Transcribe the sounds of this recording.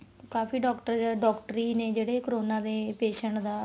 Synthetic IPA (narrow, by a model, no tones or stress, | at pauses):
kaːfiːɖɔːkʈəɾaɖɔːkʈɾiːnẽːd͡ʒeːɽeːkəɾoːnãːd̪eːpeːʃəɳʈd̪aː